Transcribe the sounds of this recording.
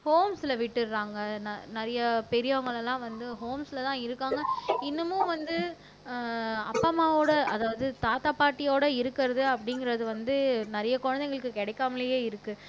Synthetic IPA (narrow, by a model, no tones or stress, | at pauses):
hoːmslɐʋɪʈːɯɾɾaːŋɡɐnɐnɐɾɐjɐpɛɾɪjoːɐŋɡɐɭɛlːãːʋɐnd̪ɯɦoːmslɐt̪ãːɪɾɯkːaːŋɡɐɪnːɯmʊ̃ʋɐnd̪ɯ | ɐ̰pːamaːoːɽɐɐðaːʋɐðɯt̪aːt̪aːpaːɾʈːɪjoːɽɐɪɾɯkːɪɾɐðɯɐpːɐɽɪŋɡɪɾɐðɯʋɐnd̪ɯnɐɾɐjɐkɔɻɐnd̪ɛŋɡɐɭɯkːɯkɛɽɛɪkːaːmɐlɐjeːɪɾɯkːɯ